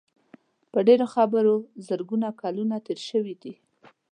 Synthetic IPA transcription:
pəɖeɾoxabəɾozəɾɡunakɑlunat̪eɾʃəwid̪i

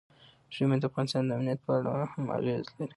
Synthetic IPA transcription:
ʒimed̪əafɣɑnɪst̪ɑnd̪əamnijat̪̚pəaɽa̰hamːa̰jezlaɾi

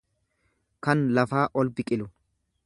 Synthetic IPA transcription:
kɐnlɐfaːʔɔlbɪkʼɪlʊ

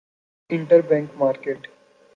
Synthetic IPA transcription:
ɪ̃ɳʈəɾbɛ̃ːŋkmaːɾkeːʈ

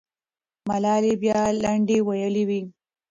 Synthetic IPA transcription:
malɑlebjɑlaɳɖewajəliwi

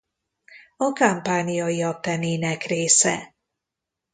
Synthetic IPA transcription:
ɒkampaːnijɒiɒk̚t̪ɛneːnɛkreːsɛ̰

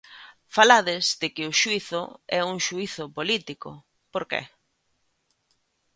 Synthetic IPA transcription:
falaðɪzdɪkɪʊʃuiθʊ̰ɛuŋʃuiθʊpolit̪ikʊ̰ | poɾkḛ

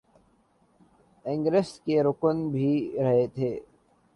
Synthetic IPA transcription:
ɪ̃ŋɡɾɪskeɾʊkənbʱiɾɐɦet̪ʰeː

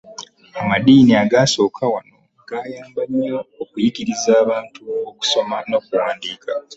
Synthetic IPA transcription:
amadiːniaɡaso̞ːkʰawano̞ | ɡ̥aːjaːmbaɲːoːkujiɡiɾizaːβaːntuoku̥so̞mano̞kuwaːndiːka

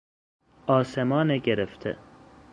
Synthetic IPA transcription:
ɒːsemɒːneɡeɾeft̪ʰḛ

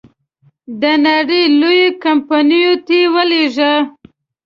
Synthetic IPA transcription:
d̪ənaɽəjlojokampanijot̪ewəleʒə

